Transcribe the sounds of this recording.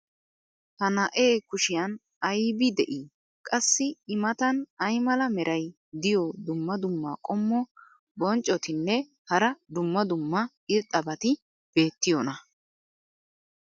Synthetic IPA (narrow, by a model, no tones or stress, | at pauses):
hɐnɐʔeːkʊʃɪjɐn | ɐjbɪd̪ɛʔiː | kʼɐsːɪɪmɐt̪ɐnɐjmɐlɐmɛɾʔɐj | d̪ɪjɔd̪ʊmːɐd̪ʊmːa̰ːkʼɔmːɔ | bɔnt͡ʃʼːɔt̪ɪnːɛ | hɐɾɐd̪ʊmːɐd̪ʊmːɐ | ɪɾt̪ʼːɐbɐt̪ɪ | b̥e̞ːt̪ːɪjɔnɐ